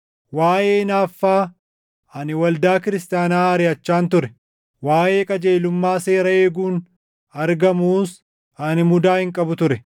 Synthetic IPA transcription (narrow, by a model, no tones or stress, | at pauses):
waːʔeːnaːfːaː | ɐnɪwɐld̪aːkɪɾɪst̪ɪjaːnaːɐɾɪɐt͡ʃːaːnt̪ʊɾɛ | waːʔe̞ːkʼɐd͡ʒe̞ːlʊmːaːse̞ːɾɐe̞ːɡuːn | ɐɾɡɐmuːs | ɐnɪmʊd̪aːhɪŋkʼɐbʊt̪ʊɾɛ